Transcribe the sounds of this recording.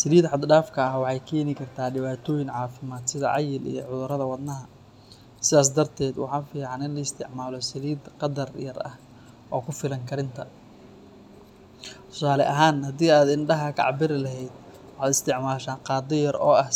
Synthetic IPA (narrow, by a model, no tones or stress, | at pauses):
sɐliːd̪ħɑd̪ɖaːfkʰɐːwɑħɑjkʰɛːnɪkʰɐrt̪ʰaːɖɪβaːt̪ʰɔːjɪŋʕɑːfɪmaːd̪sɪðɐ̰ʕɑ̰jɪlḭjɔʕʊðʊɾɐðɐwɑd̪nɐɦɐ | sɪðaːs̬d̪ɐrt̪ʰɛːd̪wɑ̰ħɑːnfiːʕɑnɪnlɐɪst̪ʰɪʕmaːlɔsɪliːd̪qɑd̪ɐrjɐrɐ̰h | ʔɔːkʰʊfɪlɐŋkʰɐɾɪnt̪ʰɐ | t̪ʰʊ̥saːlɛ̰ʔɐɦaːnhɐd̪iːaːd̪ɪnɖɐɦɐkʰɑ̰ʕbɪɾɪlɐɦɛjd̪̚ | wɑħɑːd̪ɪst̪ʰɪʕmaːʃaːnqɑːd̪ɔjɐɾɔ̰ːɐh